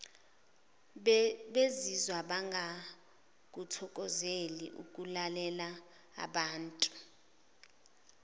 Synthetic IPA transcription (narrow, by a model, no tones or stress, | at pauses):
ɓezizwaɓaŋɡʱa | k̬utʰɔk̬ʼɔzelḭʔṵk̬ʼulalɛla̰ː | ɓaːntʼu̥